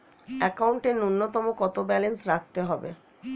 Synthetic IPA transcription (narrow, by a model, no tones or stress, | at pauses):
ɛkauɳʈenunːot̪ɔmokɔt̪obɛlensɾakʰt̪eɦɔbḛ